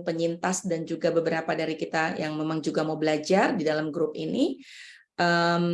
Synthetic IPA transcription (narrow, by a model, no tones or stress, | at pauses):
pəɲint̪asdand͡ʒuɡabəbəɾapadaɾikit̪ajaŋmemaŋd͡ʒuɡamawbəlad͡ʒardidalamɡɾʊp̚ḭni | ʔəm